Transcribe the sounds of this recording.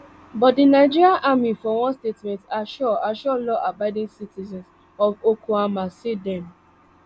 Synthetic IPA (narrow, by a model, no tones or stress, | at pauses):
bɔtdinaɪd͡ʒiɹiaʔamifɔwɔ̃nstetmɛ̃ntaʃɔaʃɔlɔʔabaɪdĩŋsitizɛ̃ns | ɔvokʰuamasidɛ̃m